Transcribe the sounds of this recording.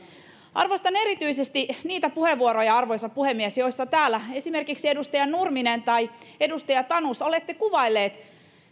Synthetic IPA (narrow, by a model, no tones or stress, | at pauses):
ʔɑ̰rʋost̪ɑne̞ɾit̪yisest̪iniːt̪æpuheʋːuoɾojɑɑrʋo̞jsɑppːuhemːiesjo̞isːɑt̪æːlːæe̞sime̞rkiksiedust̪ɑjɑnnurminent̪ɑje̞dust̪ɑjɑt̪ɑnusolet̪ːekuʋɑilːeːt̪